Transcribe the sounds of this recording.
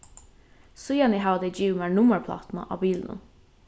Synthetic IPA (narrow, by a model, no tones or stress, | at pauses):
sʊjɑniɦɑʋd̪ɛɪd͡ʒiːʋəmæːɹɳʊməɹpʰlɑ̰ːt̪nə̰ʔɑːbiːlnə̰